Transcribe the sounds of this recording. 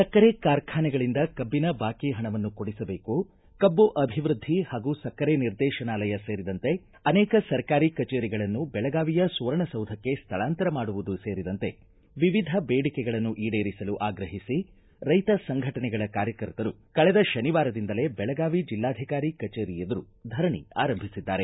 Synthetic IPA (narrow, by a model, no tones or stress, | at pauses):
sɐkːɐɾekaːɾkʰaːnɛɡɐɭind̪ɐkɐbːinɐbaːkiɦɐɳɐʋɐnːukoɽisɐbe̞ːku | kɐbːuʔɐbʱiʋɾud̪ʱːihaːɡusɐkːɐɾeniɾd̪ɛːʃɐnaːlɐjɐseːɾid̪ɐnt̪e̞ | ɐnɛːkɐsɐɾkaːɾikɐt͡ʃeːɾiɡɐɭɐnːubɛɭɐɡaːʋijɐsuːɾɐɳɐsɐwd̪ʱɐkːe̞st̪ʰɐɭaːnt̪ɐɾɐmaːɽuʋud̪useːɾid̪ɐnt̪e̞ | ʋiʋid̪ʱɐbeːɽikɛɡɐɭɐnːuʔiːɽeːɾisɐluʔaːɡɾɐɦisi | ɾɐjt̪ɐsɐŋɡʱɐʈɐnɛɡɐɭɐkaːɾjɐkɐɾt̪ɐɾu | kɐɭɛd̪ɐʃɐniʋaːɾɐd̪ind̪ɐle̞bɛɭɐɡaːʋid͡ʒilːaːd̪ʱikaːɾikɐt͡ʃeːɾijed̪ɐɾu | d̪ʱɐɾɐɳḭa̰ːɾɐmbʱisid̪ːaːɾe̞